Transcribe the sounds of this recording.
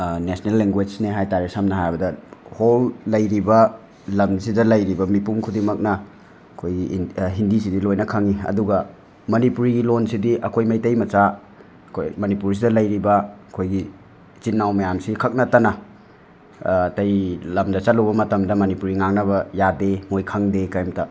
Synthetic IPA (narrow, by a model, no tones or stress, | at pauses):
nesnelːeŋɡwed͡ʒneɦajtaɾisɐmnɐɦajbɐdɐholːɐjɾibɐ | lɐmsidɐlɐjɾibɐmipumkʰudimɐk̚nɐ | ɐkʰojɡiɦindisidilojnɐkʰɐŋiɐ̰duɡɐ | mɐnipuɾiɡilonsidiʔɐkʰojmɐjtɐjmɐt͡ʃa | kʰojmɐnipuɾs̬idɐlɐjɾibɐkʰojɡi | t͡ʃinːawmɐjamsikʰɐk̚nɐtɐnɐ | tɐjlɐmdɐt͡ʃɐluwbɐmɐtɐmdɐmɐnipuɾiŋaŋ̚nɐβɐjademojkʰɐŋdekɐjmtɐ